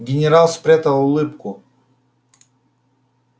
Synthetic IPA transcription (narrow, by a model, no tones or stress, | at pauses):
ɡʲɪnʲɛɾalˠspɾʲɛt̪alˠʊlˠɪpkʊ